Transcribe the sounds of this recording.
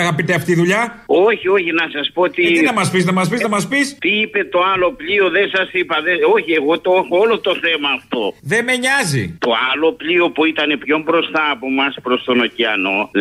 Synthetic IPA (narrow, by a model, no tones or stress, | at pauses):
ɐɣɐpit̪eɐft̪iðuʎɐoçio̞çinɐsɐspoot̪iinɐmɐsfiznɐmɐsfiznɐmɐspist̪iipe̞t̪oalo̞plio̞ðesɐsipɐðeoçie̞ɣo̞t̪oexoolo̞t̪o̞θe̞mɐːft̪o̞ðe̞me̞ɲɐzḭt̪o̞alo̞plio̞puit̪ɐne̞pço̞mbɾo̞st̪ɐːpo̞mɐspɾo̞st̪o̞no̞ciɐno̞